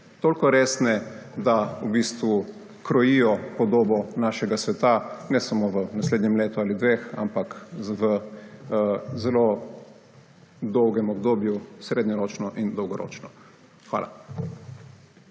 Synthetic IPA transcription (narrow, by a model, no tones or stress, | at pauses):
t̪oːlkɔɾeːsnɛd̪aubiːst̪ʋu | kɾɔjiːjɔpɔd̪oːbɔnaːʃɛɡasʋɛt̪anɛsamoʋənasleːd̪ɲɛmleːt̪uaːlid̪ʋeːxa̰mpakʋə | zɛlo | d̪ɔwɡɛmɔbd̪oːbjusɾeːd̪ɲɔɾoːt͡ʃnɔʔind̪ɔwɡɔɾo̰ːt͡ʃnɔ | xʋa̰lʔa̰